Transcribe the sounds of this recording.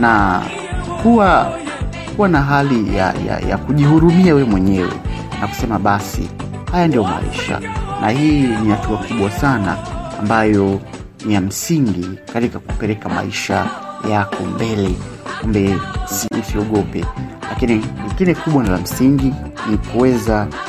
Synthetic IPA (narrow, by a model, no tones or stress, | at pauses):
na | kuwa | kuwanaɦalija̰ja̰ja̰kuʄihuɾumiawɛmwɛɲɛwɛ̰nʔaku̥sɛmaɓasḭ | hajandijɔma̰ḭʃa̰nahiːnihatuakuɓwasanaːmbajɔ | nijam̩siŋɡikatikakupɛɾɛkama̰iʃa̰jakʰɔmbɛlɛ | kumbɛusiɔɠɔpɛ̰lakiniliɡinɛkuɓwanilam̩siŋɡinikuwɛza